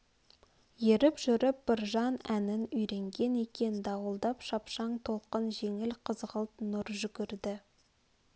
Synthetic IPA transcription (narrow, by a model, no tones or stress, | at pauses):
je̞ɾɪpʒ̥ʏɾɪp̚b̥ɪɾʒɑnænɪnʏjɾe̞ŋɡʲe̞ne̞kʲe̞nd̪ɑwəlˠd̪ɑpʃɑpʃɑɴt̪ʰo̞lˠqənʒe̞ŋɪlqʰəzʁəlˠt̪nʊɾʒʏɡʲɪɾd̪ɪ